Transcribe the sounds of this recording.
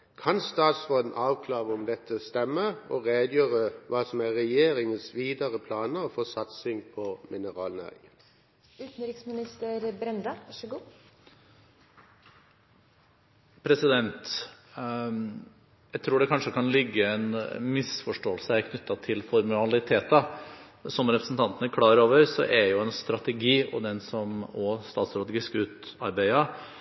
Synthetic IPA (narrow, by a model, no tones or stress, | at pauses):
kʰɑnst̪ɑːt̪sfoːd̪n̩ʔɑːʋkʰlɑːʁəɔmd̪ɛt̪ʰːəst̪ɛmːəɔʁeːd̪jøːʁəʋɑːsɔmæʁɛjeːɾɪŋənsʋiːd̪ɑʁəpʰlɑːnəʁɔfɔːsɑt̪sɪŋpʰɔmɪnəʁɑːlnœ̰ʏ | ʉːt̪n̩ɾɪksmɪnɪst̪əɾbɾɛnd̪ɑʋɑʂəɡuː | pʰɾɛsɪd̪ɛnt̪ | jæɪt̪ʰɾuːɖɛkʰɑnʂəkɑnlɪɡːəɛnmɪsfɔʂʈoːəlsəæɾkʰnʏt̪ːɑt̪ʰɪlfɔɾmɑlɪt̪ʰeːt̪ɑ | sɔmɾɛpɾəsn̩t̪ʰɑnt̪ənəɾkʰlɑːɾoːʋəɾsɔ̰ʔɛɾjʊɛnst̪ɾɑt̪ɛɡiːɔ̰d̪ɛnsɔmɔst̪ɑːt̪sɾɑt̪ːɡɪskʉːt̪ɑ̰ɾbæɪɑ